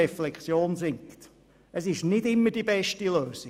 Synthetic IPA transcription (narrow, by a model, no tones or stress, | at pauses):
ɛflɛkt͡sjoːnzɪŋkt̪ | ʔəsɪʃnɪdɪmːədibɛʃtiløːsi